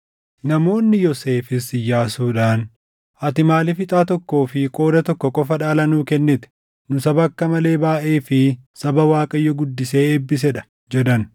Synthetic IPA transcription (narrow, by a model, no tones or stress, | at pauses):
nɐmo̞ːnːɪjɔse̞ːfɪsɪjaːsuːᶑaːn | ʔɐt̪ɪmaːlɪfɪt̪ʼaːt̪̬ɔkːo̞ːfɪkʼo̞ːd̪ɐt̪ɔkːɔkʼɔfɐᶑaːlɐnuːkɛnːɪt̪ɛ̥ | nʊsɐbɐkːɐmɐle̞ːbaːʔeːfɪsɐbɐwaːkʼɐjːɔɡʊd̪ːɪse̞ːɛbːɪs̬ɛᶑɐ̥ | d͡ʒɛd̪ɐn